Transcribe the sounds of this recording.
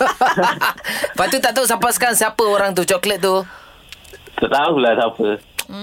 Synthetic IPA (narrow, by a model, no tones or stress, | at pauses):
fat̪ut̪aʔt̪aus̬ampaskansiapəoɾaŋt̪̬ut͡ʃɔklət̪̚t̪u | t̪aʔt̪aukulasapə